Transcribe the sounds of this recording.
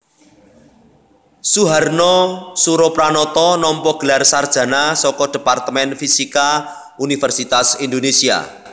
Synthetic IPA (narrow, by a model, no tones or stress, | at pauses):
suɦarnɔsuɾɔpɾanɔt̪ɔnɔmpɔɡ̥ə̤larsard̥ʒ̥ä̤nasɔkɔd̥e̤part̪əmɛnfisika | unifɛrsit̪asind̪onesia̰